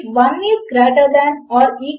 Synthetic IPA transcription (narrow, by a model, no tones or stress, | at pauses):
ʋãnːiskɾaʈad̪anɔːɾi